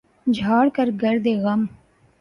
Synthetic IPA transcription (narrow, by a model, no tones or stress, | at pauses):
d͡ʒʱaːɽkəɾɡəɾd̪eːɣəm